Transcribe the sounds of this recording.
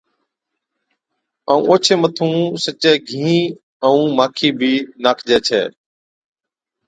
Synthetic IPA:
əːṵ̃ːʔoːt͡ʃʰeːmət̪ʰũːsət͡ʃeːɡʱĩː | əũːmaːkʰiːbʱiːnaːkʰd͡ʒeːt͡ʃʰɛ̰ː

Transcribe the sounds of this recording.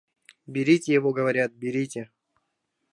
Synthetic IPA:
bʲɪɾʲitʲɪjɪvoɡəvɐɾʲat̪̚bʲɪɾʲitʲɪ

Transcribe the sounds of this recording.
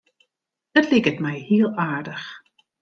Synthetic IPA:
dətlɪkətmɛjhiəlˠaːɹdəx

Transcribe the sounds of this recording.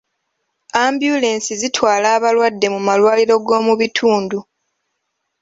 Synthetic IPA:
aːmbjule̞ːnsizitwaːlaːβalwadːe̞mumalwaːliɾo̞ɡo̞ːmuβitʰuːndu

